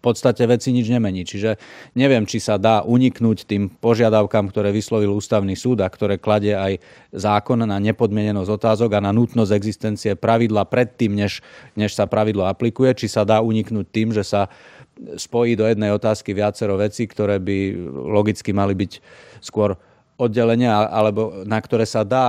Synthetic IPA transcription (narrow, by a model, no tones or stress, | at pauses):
pɔt̪st̪acɛʋɛt͡siɲid͡ʒɲɛmɛɲiːt͡ʃiʒɛɲɛʋɪɛmt͡ʃisad̪aːʔuɲiknuːct̪iːmpɔʒɪad̪aʊkaːmkt̪ɔɾɛːʋislɔʋiluːst̪aʊnisuːd̪akt̪ɔɾɛːklaɟɛaj | zaːkɔnnaɲɛpɔd̪mɪɛɲɛnɔzɔt̪aːzɔɡananut̪nɔzɛɡzist̪ɛnt͡siɛpɾaʋid̪laːpɾɛt̪ːiːmɲɛʃɲɛʃsapɾaʋid̪lɔaplikujɛt͡ʃisad̪aːuɲiknuːc̚t̪iːmʒɛsa | spɔjiːd̪ɔjɛd̪nɛjɔt̪aːskiʋɪat͡sɛɾɔʋɛt͡siːkt̪ɔɾɛːbilɔɡit͡skimalibicskʊɔɾ | ɔd̪ɟɛlɛɲɛaʔalɛbɔnakt̪ɔɾɛːsad̪aː